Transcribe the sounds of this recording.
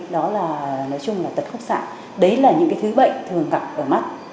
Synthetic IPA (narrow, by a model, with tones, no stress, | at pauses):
ɗɔ˨˦laː˨˩nɔ˨˦jt͡ɕʊ˧ŋ͡mlaː˨˩t̪ə˨˩t̚fʊ˦˥k͡p̚sa̰ː˧˨n | ɗə˨˦jlaː˨˩ɲɨ̰˧˥ŋkaː˨˦jt̪ʰɨ˨˦ɓə̰˧˨jt̪ʰɨ˨˩əŋɣa˨˩p̚ʔəː˧˩ma˦˥t̚